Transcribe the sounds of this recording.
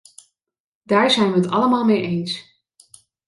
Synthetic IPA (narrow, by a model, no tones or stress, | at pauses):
d̥aːɹzɛjnʋəɦətɑ̰ləmaːlˠmejʔejns